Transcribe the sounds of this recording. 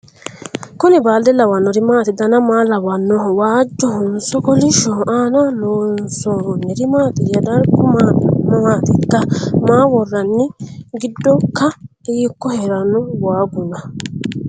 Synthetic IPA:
kʊnɪbaːld̪ɛlɐwɐnːɔɾɪmaːt̪ɪd̪ɐnɐmaːlɐwɐnːɔwaːd͡ʒːɔhʊnsɔkɔlɪʃɔʔaːnɐloːnsoːɾɔnːɛɾɪmaːt̪ɪjɐd̪ɐɾkʊmaːmmaːt̪ɪkːɐmaːwɔrːɐnːɪɡɪd̪ːɔkːɐiːkːɔheɾɐnɔwaːɡʊnɐ

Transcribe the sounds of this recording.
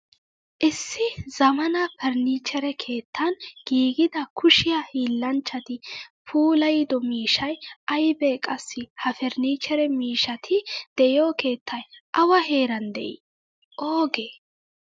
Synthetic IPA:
ʔɪsːɪzɐmɐnɐpɛɾniːt͡ʃːɛɾɛkʰe̞ːt̪ːɐnɡ̥iːɡɪd̪ɐkʰʊʃɪjɐhiːlːɐnt͡ʃːɐt̪ɪpʰuːlɐjɪd̪ɔmiːʃɐjʔɐjbɛkʼɐsːɪhɐfɛɾniːt͡ʃːɛɾɛmiːʃɐt̪ʰɪd̪̥ɛjoːke̞ːt̪ʰːɐjʔɐwɐhe̞ːɾɐnd̪ɛ̰ʔɪ̰ | ʔoːɡeː

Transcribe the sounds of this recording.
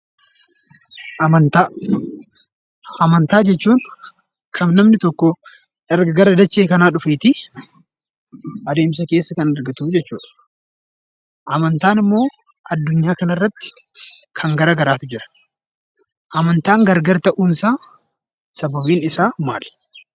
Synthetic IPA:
ɐmɐnt̪aː | ɐmɐnt̪aːd͡ʒɛt͡ʃːuːn | kʰɐmnɐmnɪt̪ɔkːɔ | ɛɾɡɐɡɐɾɐd̪ɐt͡ʃːeːkɐnaːᶑʊfeːt̪ɪ | ʔɐd̪e̞ːmsɐke̞ːsːɐkɐnɐɾɡɐt̪uːd͡ʒɛt͡ʃːṵːᶑɐ̥ | ʔɐmɐnt̪aːnɪmːo̞ː | ɐd̪ːʊɲːaːkɐnɐrːɐt̪ːɪ̥ | kʰɐŋɡɐɾɐɡɐɾaːt̪ʊd͡ʒɪɾɐ̥ | ʔɐmɐnt̪aːŋɡɐɾɡɐɾt̪ɐʔuːnsaː | sɐbɐbiːnɪsaːmaːl

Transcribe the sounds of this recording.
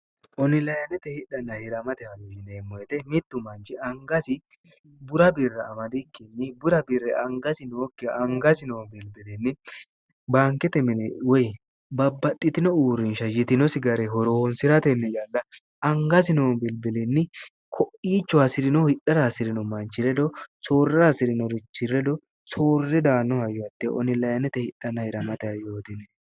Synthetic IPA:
ʔɔnɪlɐjɐnɛt̪ɛhɪᶑɐnːɐhɪɾɐmɐt̪ɛhɐnɪneːmːɔjɛt̪ɛmɪt̪ːʊmɐnt͡ʃɪɐŋɡɐsɪ | bʊɾɐbɪrːɛɐmɐd̪ɪkːɛnːɪbʊɾɐbɪɾɛɐŋɡɐsɪnoːkːɪɐŋɡɐsɪnoːbɪlbɪlɪnːɪ | baːŋkɛt̪ɛmɪnɛwɔj | bɐbːɐt̪ʼːɪt̪ɪnɔuːɾɪnʃɐjɪt̪ɪnɔsɪɡɐɾɛɦɔɾoːnsɪɾɐt̪ɛnːɛd͡ʒɐlːɐ | ɐŋɡɐsɪnoːbɪlbɪlɛnːɪ | kʰɔʔiːt͡ʃːɔɐsɪɾɪnɔhɪᶑːɐɾasɪɾɪnɔmɐnt͡ʃːɪlɛd̪ɔsoːrːasɪɾɪnɔɾɪt͡ʃːɪɾɛd̪ɔ | so̞ːrːɛd̪aːnːɔhɐjɔɐt̪ːɛʔɔ̰nɪlɐjɐnɛt̪ɛhɪᶑːɐnːɐhɪɾɐmɐt̪ɛɐjo̞ːt̪ɪnɛ

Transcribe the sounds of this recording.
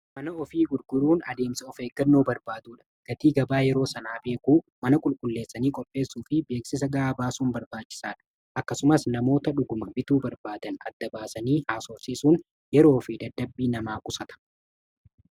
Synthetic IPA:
mɐnɐɔfiːɡʊɾɡ̥ʊɾuːnɐd̪e̞ːmsɐɔfeːɡɐnːoːbɐɾbaːd̪uːᶑɐ̥ɡ̥ɐt̪iːɡɐbaːjɛɾo̞ːsɐnaːbe̞ːkuːmɐnɐkʼʊlkʼʊlːe̞ːsːɐniːkʼɔpʼːe̞ːsːuːfɪbe̞ːksɪs̬ɐɡɐaːbaːsuːnbɐɾbaːt͡ʃːɪ̥saːᶑɐ̥ | ʔɐkːɐsʊmɐsnɐmo̞ːt̪ɐᶑʊɡʊmɐbɪt̪uːbɐɾbaːd̪ɐnɐd̪ːɐbaːsɐniːhaːsɔɾsiːsuːn | jɛɾo̞ːfɪd̪ɐd̪ːɐbːiːnɐmaːkʼʊsɐt̪ɐ̥

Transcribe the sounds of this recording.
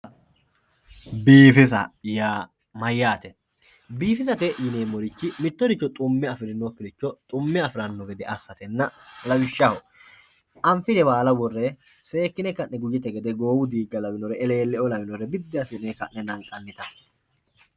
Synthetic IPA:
biːfɪsɐ̰jaː | mɐjːaːt̪ɛ | biːfɪsɐt̪ɛjɪneːmɔɾɪt͡ʃːɪmɪt̪ːɔɾɪt͡ʃːɔt̪ʼʊmːɛɐfɪɾɪnːɔkːɪɾɪt͡ʃːɔt̪ʼʊmːɛɐfɪɾɐnːɔɡɛd̪ɛʔɐsːɐt̪ɛnːɐlɐwɪʃːɐhɔ | ʔɐmfɪd̪ɛbaːlɐbɔrːɛ | se̞ːkːɪnɛkɐʔnɛɡʊd͡ʒɛt̪ɛɡɛd̪ɛɡo̞ːwʊd̪iːɡːɐlɐbɪnɔɾɛɛle̞ːlːɛɔlɐbɪnɔɾɛbɪd̪ːɪɐsɪnɛkɐʔːɛnɐŋkʼːɐnːɪt̪ɐ

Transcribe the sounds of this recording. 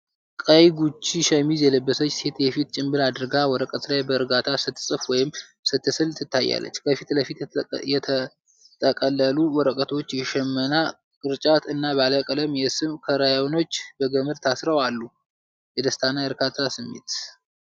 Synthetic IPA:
kʼəjɡut͡ʃːiʃɛmizjɛləbːəsət͡ʃːse̞t̪jɛfit̪̚t͡ʃʼɪmbɨlad̪ɨɾɨɡawɔɾəkʼət̪lajbəɨɾɡat̪ʰasɨt̪ʰːɨsʼɨfwɔjɪm | sɨt̪ːɨsɨlsʰɨt̪ːajːa̰lːə̰t͡ʃːkʰəfit̪ləfit̪jɛt̪ʰə | t̪ʰʼəkʼəlːəluwɔɾəkʼət̪ʰo̞t͡ʃːjɛʃɛmːəna | kʼɨɾt͡ʃʼat̪ɨnːabaləkʼələmjɛsɨmkʰəɾajono̞t͡ʃːbəɡəmɨɾt̪ʰasɾəwalːu | jɛd̪əst̪ʰanajəɾkʰat̪ʰːasɨmːḛt̪

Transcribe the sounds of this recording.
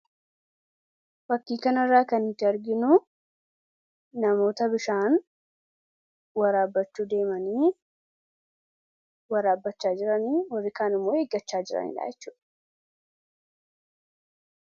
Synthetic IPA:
bɐkːiːkɐnɐrːaːkɐnɪt̪ːɪɐɾɡɪnʊ | ɐmo̞ːt̪ɐbɪʃaːn | wɐɾaːbːɐt͡ʃːuːd̪e̞ːmɐniː | wɐɾaːbːɐt͡ʃːaːd͡ʒɪɾɐniːwɐrːɪkaːnɪmːo̞ːheːɡːɐt͡ʃːaːd͡ʒɪɾɐ̰nḭːᶑa̰ːjɛt͡ʃːuːᶑɐ̥

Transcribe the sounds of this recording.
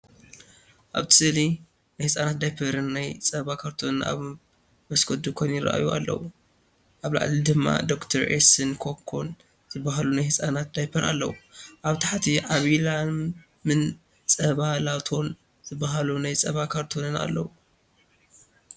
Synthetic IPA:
ʔa̰βt̪ʰɨ̥sɨli | najhɨsʼanat̪̚d̪ajpʰɐɾɨnːajt͡sʼɐβakʰaɾt̪ʰo̞nɨna̰β | mɐskʰod̪ukʰojnjɪɾɐ̰ʔa̰jua̰lːɐ̰wu | ʔaβla̰ʕʔlid̪ɨmːa̰d̪o̞kt̪ʰɐɾʔesɨnkʰokʰo̞n | z̥ɨbːaɦalunajhɨsʼanat̪̚d̪ajpʰɐɾʔa̰lːɐ̰wuʔaβt̪ʰaħt̪ʰiʕaβila | mɨn | t͡sʼɐβalat̪ʰo̞n | zɨbːaɦalunajt͡sʼɐβakʰaɾt̪ʰonɨna̰lːɐwu

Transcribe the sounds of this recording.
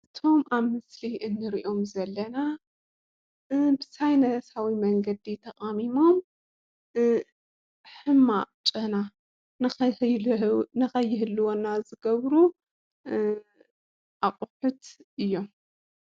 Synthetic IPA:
ʔɨt̪ʰo̞maβmɨsliʔɨnːɨɾiʔo̞mzɐlːɐna | bɨsajnɐsawimɐŋɡɐd̪it̪ʰɐχʼamimo̞m | ħɨmːaʔʼt͡ʃʼɐna | nɨɐ | nɨxɐjːɪɦɨlːɨwonːazɨɡɐβɾu | ʔaqʼʊħut̪ʔɨjːo̞m

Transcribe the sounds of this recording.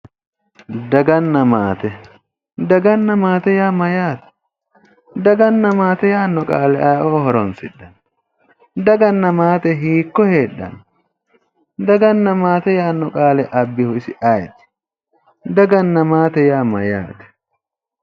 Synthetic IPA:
d̪ɐɡɐnːɐmaːt̪ɛ | d̪ɐɡɐnːɐmaːt̪ɛjaːmɐjaːt̪ɛ̥ | d̪ɐɡɐnːɐmaːt̪ɛjaːnːɔkʼaːlɛʔɐʔoːhɔɾɔnsɪdːɐn | d̪ɐɡɐnːɐmaːt̪ɛɦiːkːɔhe̞ːᶑːɐ̰n | d̪ɐɡɐnːɐmaːt̪ɛjaːnːɔkʼaːlɛʔɐbːɪhʊɪsɪʔɐjt̪ | d̪ɐɡɐnːɐmaːt̪ɛjaːmɐja̰ːt̪ɛ̥

